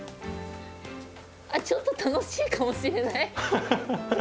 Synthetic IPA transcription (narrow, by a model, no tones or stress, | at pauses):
at͡ɕot̪ːot̪anoɕiːkamo̞ɕiɾe̞nai